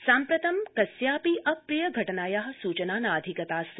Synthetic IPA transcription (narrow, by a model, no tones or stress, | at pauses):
sãːmpɾɐt̪ɐmkɐsjaːpiʔɐpɾijɐɡʱɐʈɐnaːjaːɦɐ̆suːt͡ʃɐnaːnaːd̪ʱikɐt̪aːs